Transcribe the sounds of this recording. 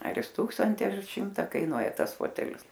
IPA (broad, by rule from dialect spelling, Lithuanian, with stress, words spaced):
ɐr jɪs ˈtuːksɐnʲtʲɪ ɐr ˈʃʲɪmtɐ kɐɪˈnuɔjɛ ˈtɐs ˈfoːtʲɛlʲɪs